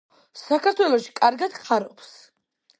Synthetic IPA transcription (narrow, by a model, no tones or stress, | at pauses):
sakʰaɾt̪ʰwɛlˠɔʃi̥kʼaɾɡad̪̥χʰaɾɔps